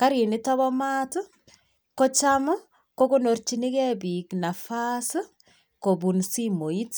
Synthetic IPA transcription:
ka˦ɾi˨nɪ˦tɔ˦βɔ˦maː˦tu˦ | kɔ˦t͡ʃam˦ | ko˦kunort͡ʃi˦ni˦kɛbikna˨fas | ko˨bu˨nsimo˨i˦t

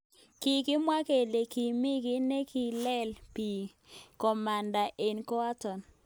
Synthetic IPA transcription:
ki˨kɪ˦mwa˦ke˨le˨ki˨mɪ˦ɡɪ˦ne˦ki˨lɛ˦lpi˨ | kɔ˨ma˨nda˨ʔe˨nkɔ˦a˦tɔ˨n

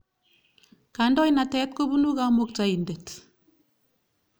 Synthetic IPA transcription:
kandɔ˦jna˨tɛ˦tko˦bu˦nu˦kamok̚tai˨nde˨t

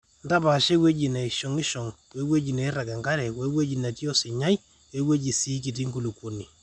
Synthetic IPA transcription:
n˦da˦pa˨ʃe˦we˦d͡ʒi˨ne˨i˨ʃɔ˨ŋɪ˦ʃɔ˨ŋ | we˨˦we˦d͡ʒi˨ne˨˦ɾa˨ɡa˨ŋɡa˦ɾɛ˨kwe˦we˦d͡ʒi˨na˨tjɔ˦sɪ˨ɲa˦j | we˦we˦d͡ʒi˨si˦ki˨t̬i˦ŋɡu˨lu˨kwo˨ni˨

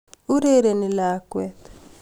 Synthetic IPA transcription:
u˦ɾe˦ɾe˨ni˨lakwɛt

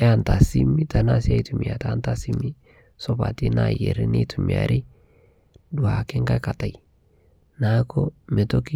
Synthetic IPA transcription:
ɛ˦a˨nta˨si˦mːi˦ta˨na˦sia˦jtu˨mi˨a˨ta˦nta˦si˦mːi˦ | sɔ˦ba̰˨ti˦najḛ˨ɾi˦ne˦tʰu˨mi˨a̰˨ɾʔi˦ | du˨a˨ke˦ŋka˦ka˨ta˨j | na˦ko˦me˨t̪o˦ki˦

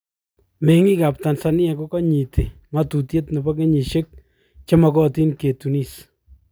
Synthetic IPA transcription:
me˨˦ŋi˦ka˨p̚ta˨nsa˨nɪ˦ɛ˨ko˦kɔ˦ɲi˨tʰi˨ | ŋa˦tu˨tje˦tne˨bɔ˦ke˦ɲi˨ʃe˦k̚ | t͡ʃe˦mɔ˨kɔ˦ti˦nke˨tu˨ni˦˨s

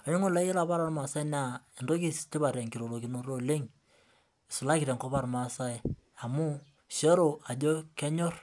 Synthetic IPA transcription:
a˨ɲo˦ŋo˦la˦e˦la˨pa˦ɾa˨rma˨sa˦ɪ˦n˦a˨ɪ˨ndo˦ki˦stɪ˦ba˨ɾɛ˨ŋki˨ɾo˨ɾo˨ki˨˦no˦ɾo˦le˦ŋ | ɪ˨sʊ˨la˦kɪ˨ɾɛ˨ŋko˦pa˦ɾma˨sa˦e˨ | a˨mu˦ | sɔ˦ɾo˨a˨d͡ʒo˦kɛ˦ɲo˦r

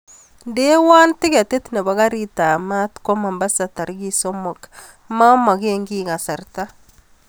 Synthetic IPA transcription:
de˦wa˦nti˦ɡɛ˨te˦t̪ne˨ba˨ɡa˦ɾi˦ta˨ma˦tko˦ma˨mba˦sa˨ta˨ɾɡi˦so˦mo˨k | ma˦ma˨ɡe˦ŋɡi˦ɡa˨sa˨ɾta˦

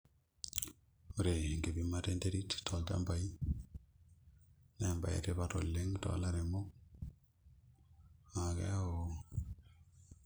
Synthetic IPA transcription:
uɾe˨ŋɡe˨bimate˦nteɾi˦ttɔ˨lta̰˦mba˨i˦ | ne˨mba̰˨jḛ˨tepa˨to̰˨lːe˦ŋtɔ̰˨la˦ɾe˨mo˦k | a˨kḛ˦a˦o

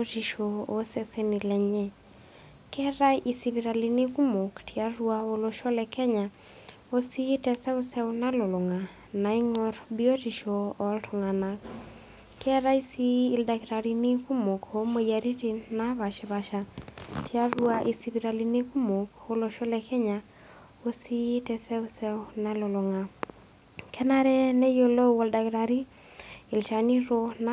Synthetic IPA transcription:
oti˨ʃoo˦sɛsɛnilɛ˨ɲɛ˦ | kɛɾa˦i˨siβiɾa˨liniku˦mo˨ktʰia˦ɾuao˦loʃɔ˦lɛkɛ˦ɲa | osi˦tɛsɛ˦o˦sɛ˦ona˦lo˨lo˨ŋa˨ | na˨i˦ŋɔɾbi˦ɔ˦ti˨ʃɔ˨ɔ˨ltʰo˨ŋana | kɛ˦ɾa˦i˦siː˦˨lda˨ki˨ɾa˨ɾi˨ni˦ku˦mo˨ko˦mo˨ja˨ɾi˦ti˦na˦βa˨ʃɛ˨baʃa˨tʰɪ˦a˦bu˦aʔi˨si˦bi˨ɾa˨lini˦ku˦mo˨ko˦lo˨ʃo˦lɛ˨kʰɛ˦ɲa | o˦si˦tɛ˨sɛ˦u˦sɛ˦wna˦lo˨lʊ˨ŋa˨ | kʰɛ˦na˦ɾɛ˦nɛ˦jo˦lo˦wo˨lda˨ki˨ɾa˨ɾi˦ | ɪ˨lt͡ʃa˨ni˦ɾon

